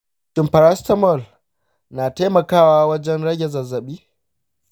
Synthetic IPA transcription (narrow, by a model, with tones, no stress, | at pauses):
ʃɪ˨mpɐ˨ɾa˦stɐ˦mɔ˦˨l | naː˨taː˦mɐ˨kaː˦˨waː˦wɐ˦d͡ʒɛ˦nɽɐ˦ɡʲe˨zɐ˨zːɐ˨ɓiː˦